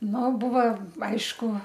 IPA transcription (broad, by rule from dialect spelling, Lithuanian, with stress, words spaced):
ˈnʊ ˈbʊʋoː ˈɐɪʃkʊ